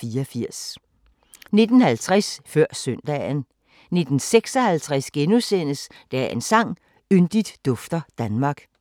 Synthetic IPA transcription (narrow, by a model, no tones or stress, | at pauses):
fiːɐfiɐ̰s | ne̝d̥n̩hælt͡sʰʁasfɶɐ̰sœnd̥ɛ̰ːn | ne̝d̥n̩seɡ̥sɒhælt͡sʰʁasɡ̥enusen̰əs | d̥æe̝nsɑ̈ŋ̰ | ynd̥id̥ːɔ̽fd̥ɐd̥ænmɑ̈ːɡ̥